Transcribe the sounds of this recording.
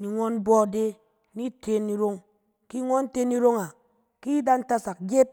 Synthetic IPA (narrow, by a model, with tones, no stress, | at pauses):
ni˨ŋʷɔ˦n˦bɔ˦de˦ | ni˦tʰe˦ni˨˦ɾo˦ŋ | ki˦ŋɔ˦n˦te˦ni˦ɾo˦ŋa˨ | ki˦da˦n̩˦ta˦sa˨k̚ɡe˦t̚